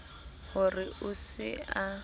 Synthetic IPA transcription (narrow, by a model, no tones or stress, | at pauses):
hʊrɪʔʊsɪa